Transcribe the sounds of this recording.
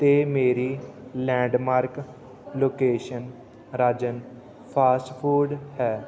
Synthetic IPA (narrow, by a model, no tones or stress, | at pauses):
t̪eːmeːɾiːlɛ̃ːɳɖmaːɾk | loːkeːʃən | ɾaːd͡ʒən | pʰaːsʈpʰuːɖhɛː